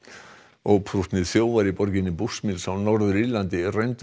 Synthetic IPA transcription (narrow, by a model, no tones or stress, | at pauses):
ɔɣpʰɾuht̪nɪðθjoːwvaɾipɔɾcɪnːɪpusmilsawnɔɾðʏɾilant̪ɪrejnt̪